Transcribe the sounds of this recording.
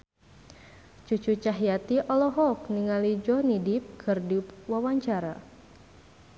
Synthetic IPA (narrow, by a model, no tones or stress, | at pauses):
t͡ʃut͡ʃut͡ʃaɦjat̪iʔɔlɔɦɔk̚niŋalid͡ʒɔnidip̚kʰərdipwawaɲt͡ʃaɾa